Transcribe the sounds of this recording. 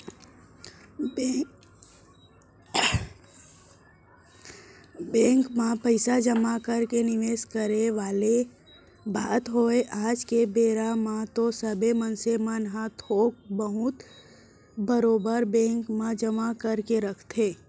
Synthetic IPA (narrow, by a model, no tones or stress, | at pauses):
bɛ̃ːŋkmãpəɪsad͡ʒəmakəɾkenɪʋeːskəɾeʋaːle | baːt̪ɦoeʔaːd͡ʒkebeːɾamãt̪osəbemənsemənɦat̪oːk̚bəɦʊt̪ | bəɾoːbəɾbɛ̃ːŋkmãd͡ʒəmakəɾkeɾəkʰt̪ʰeː